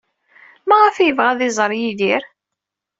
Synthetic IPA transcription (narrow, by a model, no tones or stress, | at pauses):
mæʁəfjəvʁæðɪzˤɾˤjiðiɾ